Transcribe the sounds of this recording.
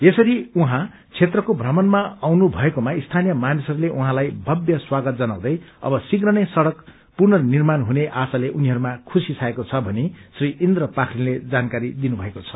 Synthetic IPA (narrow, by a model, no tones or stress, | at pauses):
esʌɾiuɦã | t͡sʰet̪rʌkobʱrʌmʌnmaawnubʱʌekomaist̪ʰanijʌmanisʌɾuleʔuɦãlajbʱʌbjʌswaɡʌt̪̚d͡zʌnaw̃d̪ʌjʌ̰bʌsiɡrʌnesʌɽʌk | purnʌnirmanɦuneʔasaleʔuniɦʌɾumakʰusisʰaekot͡sʰʌbʱʌnesriʔind̪rʌpakʰriled͡zankaɾid̪inubʱʌekot͡sʰʌ̥